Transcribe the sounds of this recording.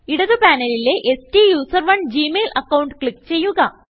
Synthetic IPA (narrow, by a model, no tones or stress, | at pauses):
iɽɐðɨpaːnɐlileʔesʈijuːsɐrʋɐnd͡ʑiːmeːlɐkːɐwuɳɖkɭikːt͡ɕe̞jːuɣɐ